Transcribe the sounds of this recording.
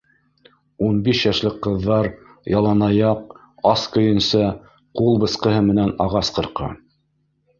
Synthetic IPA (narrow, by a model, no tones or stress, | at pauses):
unbiʃjɑʃlɘkqːɤ̆ðːɑɾ | jɑlˠɑnɑjɑq | ɑskɵ̆jɘ̆nsɑ | qulˠbɤ̆sqɤ̆hɤmɘ̆nænɑʁɑsqɤ̆ɾqɑ̰